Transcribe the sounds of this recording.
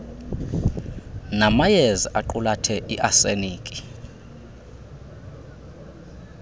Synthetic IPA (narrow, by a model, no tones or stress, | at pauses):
namajeziʔaǃulatʰɛʔiʔaseniːkʼi